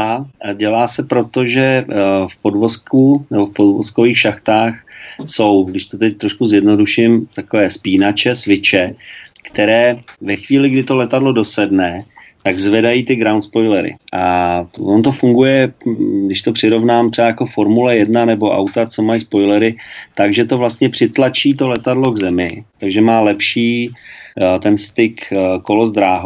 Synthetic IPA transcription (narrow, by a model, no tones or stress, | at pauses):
aɟɛlaːsɛpɾo̞t̪o̞ʒɛfpo̞dvo̞skunɛbo̞fpodvosko̞viːxʃaxt̪aːxso̞wɡdɪʃt̪ot̪ɛc̚t̪ɾo̞ʃkuzjɛdno̞duʃɪmt̪ako̞vɛːspiːnat͡ʃɛsvɪt͡ʃɛkt̪ɛɾɛːvɛxviːlɪɡdɪt̪o̞lɛt̪adlo̞do̞sɛdnɛ | t̪aɡzvɛdajiːt̪ɪɡɾawnt̪spo̞jlɛɾɪ̰ʔavont̪o̞fuŋɡujɛɡdɪʃt̪o̞pr̥ɪɾo̞vnaːmt̪r̥ɛajako̞fo̞ɾmulɛjɛdnanɛbo̞ʔa̰wt̪at͡so̞majspo̞jlɛɾɪt̪aɡʒɛt̪o̞vlast̪ɲɛpr̥ɪt̪lat͡ʃiːt̪o̞lɛt̪adlo̞ɡzɛmɪt̪aɡʒɛmaːlɛpʃiː | t̪ɛnst̪ɪkko̞lo̞zd̪ɾaːɦo